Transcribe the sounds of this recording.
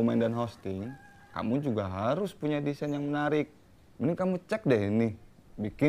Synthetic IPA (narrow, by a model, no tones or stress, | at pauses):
omandanɦɔst̪ɪŋ | ka̰mud͡ʒuɡaɦaɾʊspuɲadisanjaŋmənaɾɪk̚ | mənɪŋkamut͡ʃɛk̚dɛɦinɪh | bikɪ